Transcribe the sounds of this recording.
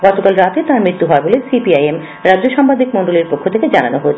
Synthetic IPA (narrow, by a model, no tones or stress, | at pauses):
ɡɔt̪okalɾat̪et̪aɾmɾit̪ːuɦɔebolesipiajem | ɾadʑoʃɔmpad̪ʱikmoɳɖoleɾpokʰːot̪ʰeked͡ʑananoɦot͡ɕʰe